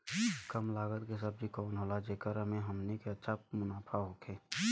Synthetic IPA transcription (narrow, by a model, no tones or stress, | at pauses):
kəmlaːɡət̪kes̬əb̚d͡ʒʱikɔːnɦoːlad͡ʒeːkəɾəmẽɦəmnekeətːʃʰamʊnaːpʰaɦoːkʰeː